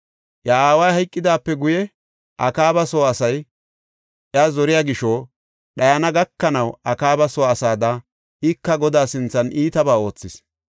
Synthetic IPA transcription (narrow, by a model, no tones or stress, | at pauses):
ʔjɐaːwɐjhɐjkʼːɪd̪aːpːɛɡʊjɛ | ʔɐkaːbɐsoːɐsɐj | ʔɪazɔɾɪjaːɡɪʃɔ | ɗɐjɐnɐɡɐkːɐnɐwɐkaːbɐsoːɐsaːd̪ɐ | ʔɪkːɐɡɔd̪aːsɪnt͡sːɐnʔiːt̪ɐbaːo̞ːt͡sːɪs